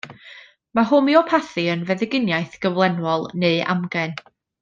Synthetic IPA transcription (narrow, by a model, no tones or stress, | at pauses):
maɦʊmiɔpʰaθiənvɛðɪɡɪnjajθɡ̥əvlˠɛnwɔlˠneɨʔa̰mɡɛn